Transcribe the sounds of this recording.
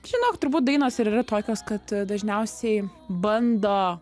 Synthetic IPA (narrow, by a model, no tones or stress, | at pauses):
ʒʲɪnoːkt̪ʊɾbuːt̪̚d̪ɐɪnoːsɪɾiːrɐt̪oːkʲoːskɐt̪d̪ɐʒʲnʲɛʊsʲɛɪbɐnd̪oː